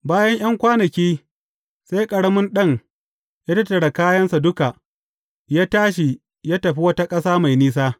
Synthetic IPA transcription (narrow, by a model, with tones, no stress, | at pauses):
baː˦jɐ˦ɲj̰ɐ˦ŋkʷaː˦nɐ˨kʲiː˦ | sa˦jkʼɐ˨ɽɐ˦mɪ˦nɗɐ˦˨ŋ | jaː˦tɐ˦tːɐ˨ɽa˨kaː˦jɐ˦nsa˨dʊ˦ka˨ | jaː˦taː˦ʃ̬i˨ | jaː˦tɐ˨ɸi˦wɐ˦ta˦kʼɐ˦saː˦ma˨jniː˦s̬aː˦